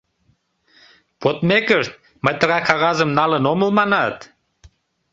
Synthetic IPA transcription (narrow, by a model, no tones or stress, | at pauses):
pot̪mekəʃt̪̚ | məjt̪əʁɑkɑɣɑzəmnɑlənoməlmɑnɑt̪